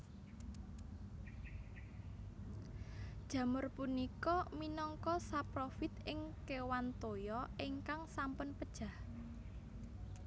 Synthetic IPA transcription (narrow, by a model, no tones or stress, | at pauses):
d̥ʒ̥ä̤mʊrpunikɔminɔŋkɔsapɾofɪt̪ɪŋkewant̪ojɔɪŋkaŋsampɔnpəd̥ʒ̥a̤h